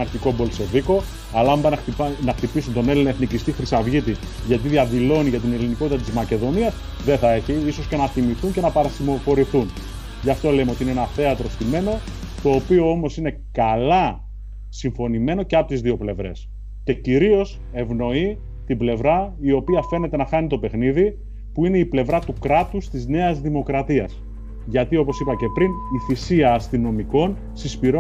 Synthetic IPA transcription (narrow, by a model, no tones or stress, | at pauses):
ɐɾçiko̞bo̞lso̞viko̞ | ɐlɐɐmbɐnɐxt̪ipisunt̪o̞nelinɐeθnicist̪ixɾisɐvʝit̪i | ʝɐt̪̬iðiɐðilo̞niʝɐt̪̬ine̞liniko̞t̪it̪ɐt̪izmɐce̞ðo̞niɐs | ðe̞θɐe̞çiiso̞sce̞nɐθimiθuɲce̞nɐpɐɾɐsimo̞fo̞ɾiθun | ʝɐft̪o̞lemeo̞t̪iineenɐθe̞ɐt̪ɾo̞st̪ime̞no̞ | t̪o̞ːpio̞o̞mo̞sine̞kɐlɐ | siɱfo̞nime̞no̞ce̞ɐpo̞t̪izðio̞ple̞vɾe̞̰s | ce̞ciɾio̞s | e̞vno̞i | t̪ible̞vɾɐio̞piɐfe̞ne̞t̪e̞nɐxɐnit̪o̞pe̞xniði | puine̞iple̞vɾɐt̪ukɾɐt̪ust̪izne̞ɐzðimo̞kɾɐt̪iɐs | ʝɐt̪io̞po̞sipɐce̞pɾiniθisiɐːst̪ino̞miko̞n | sispiɾo